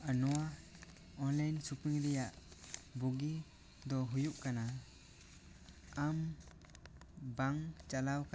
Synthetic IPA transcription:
anɔwa | ɔnlajnsupiŋɾijaʔbuɡi | d̪ɔɦujup̚kana | am | baŋt͡ʃalawka

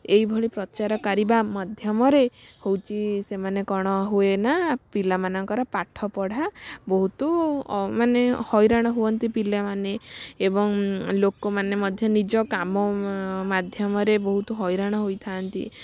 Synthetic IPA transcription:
ejbʱɔɭipɾɔt͡ʃaɾɔkaɾibamɔd̪ʱjɔmɔɾehowt͡ʃʰisemanekɔɽ̃ɔɦuenapilamanɔŋkɔɾɔpaʈʰɔpɔɽ̤abɔɦut̪umanehɔjɾaɽ̃ɔɦuɔnt̪ipilamaneebɔŋlokɔmanemɔd̪ʱjɔnid͡ʒɔkamɔmad̪ʱjɔmɔɾebɔɦut̪ɔɦɔjɾaɽ̃ɔɦojt̪ʰant̪ḭ

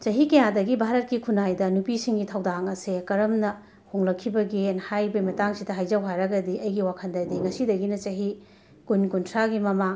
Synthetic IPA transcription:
t͡ʃɐɦikɐjadɐɡibʱaɾɐt̚kikʰunajdɐnupisiŋɡitʰɐwdaŋɐsekɐɾɐmnɐ | hoŋlɐkʰːibɐɡenhajbɐmɐtaŋsidɐɦajd͡ʒawɦajɾɐɡɐdiʔɐjɡiwakʰɐndɐdiŋɐsidɐɡinɐt͡ʃɐɦi | kunkuntʰɾaɡimɐma

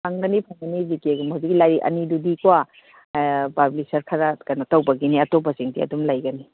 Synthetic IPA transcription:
pʰaŋɡɐnipʰaŋɡɐnizikeɡmazikilajɾiʔɐ̰nidudikwa | pablisɐɾkʰaɾakanatawbɐɡiniɐtobaziŋdiɐ̰dumlajɡɐni

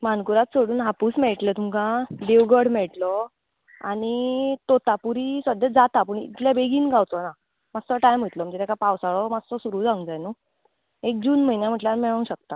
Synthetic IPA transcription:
mankuɾat̪soɽuːnɦapuːsmɛɭʈlɛt̪umkãd̪eʋɡəɽmɛɭʈlɔ | aɽ̃it̪ot̪apuɾisəd̪əd͡zat̪apəːɳḭt̪ljabʱeɡiːnɡʱawt͡s̪ɔna | mad͡zt̪ɔʈajmət̪lɔm̤əɳd͡ʑet̪jakapawsaɭɔmad͡zt̪ɔsuɾuːd͡zãŋɡd͡zajnu | ek̚d͡ʑuːnm̤əjnjam̤əʈljaɾmɛɭə̃w̃ɕək̚t̪a

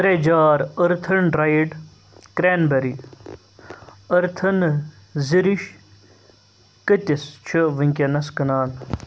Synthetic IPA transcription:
t̪ɾed͡ʒaːɾəɾt̪ʰɐnɾajɖ | kɾeːnbɐɾi | ɐɾt̪ʰɐn | ziɾiʃ | kət̪ʲist͡ʃʰəʋɐŋkʲenɐskɐnaːn

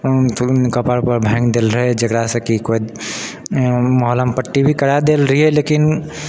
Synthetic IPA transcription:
kəpəɾpəɾbʱɛ̃ːŋɡd̪elɾəɦɛd͡ʒəkɾasə̃kikoi | məɦləmpəʈːibʱikəɾad̪elɾəɦiɛlekin

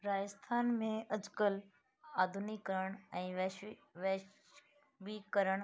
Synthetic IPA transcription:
ɾaːd͡ʒəst̪ʰaːnmẽʔɐd͡ʒkəl | aːd̪ʱunikːəɾəɽ̃ɛ̃ːʋʋeː | ʋikəɾəɽ̃

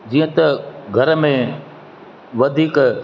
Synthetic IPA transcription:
d͡ʑiːə̃t̪ɐɡʱɐɾmẽ | ʋɐd̪ʱiːk

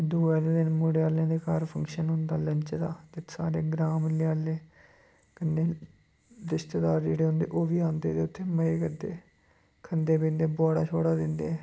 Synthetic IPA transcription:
d̪uːɛːleːd̪enmoːɽeːaːlẽːd̪eːkaːɾpʰəŋkʃənɦʊnd̪aːləɲt͡ʃd̪aːt̪eːsaːɾeːɡɾaːmleaːlːeː | kənːeː | ɾɪst̪ːd̪aːɾd͡ʒeːɽeːɦʊnd̪ḛːʔoːʋiːãːnd̪eːt̪eːʊt̪ʰːeːməeːkəd̪ḛː | kʰənd̪eːpẽːnd̪eːboːɽaːt͡ʃʰoːɽaːd̪ɪnd̪eː

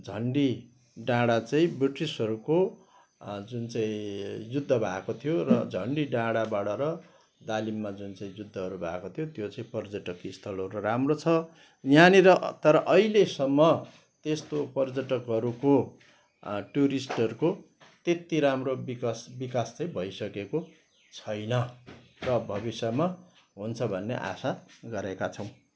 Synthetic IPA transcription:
d͡zʱʌɳɖi | ɖãɽat͡saĩbriʈisʌɾuko | d͡zunt͡saĩjud̪ʱːʌbʱakot̪ʰijorʌd͡zʱʌɳɖiɖãɽabaɽʌɾʌ | d̪alimːad͡zunt͡sãĩjud̪ʱːʌɦʌɾubʱa̰kot̪ʰjot̪jot͡sãĩpʌrd͡zʌʈʌkist̪ʰʌlʌɾuuramrot͡sʰʌ | jjaneɾʌt̪ʌɾʌʔʌilesʌmːʌ | t̪est̪opʌrd͡zʌʈʌkɦʌɾuko | ʈuɾisʈʌruko | t̪et̪iɾamrobikʌsbikast͡sʌĩbʱʌjsʌkeko | t͡sʰʌjnʌ | rʌbʱʌbisʌma | ɦunt͡sʰʌbʱʌnːḛʔa̰saɡʌɾekat͡sʰʌw̃

